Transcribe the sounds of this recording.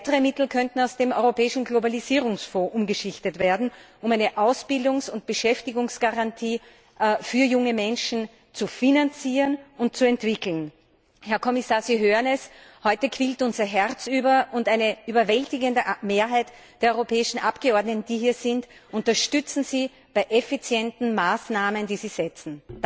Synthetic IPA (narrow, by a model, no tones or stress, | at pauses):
aɪtəʁəmɪtl̩kʰœntn̩aʊsd̥eːmɔʏʁopɛːɪʃn̩ɡlobaliziːʁʊŋsfoːʔʊmɡəʃɪçtətv̥eːɐdn̩ | ʊmæɪnəʔaʊsb̥ɪldʊŋsʊnt̚b̥əʃɛftɪɡʊŋsɡ̥aʁantʰiː | fyːɐjʊŋəmɛnʃn̩ | t͡sufinant͡siːʁənʊnt̚t͡suɛntv̥ɪkl̩n | hɛɐkʰɔmɪsaːɐziːɦøːʁənɛshɔʏtəkʰv̥iːltʊnzɐɦɛʁt͡syːbɐʔʊndæɪnəʔyːbɐvɛltɪɡəndəʔmeːɐɦaɪt | d̥eːɐɔœʁopʰɛːɪʃn̩ʔapɡ̥əɔɐdnətn̩d̥iːɦiːɐzɪntʔʊntɐʃtʏt͡sn̩ziː | b̥aɪʔɛfit͡sjɛntn̩maːsnaːməndiːziːzɛt͡sn̩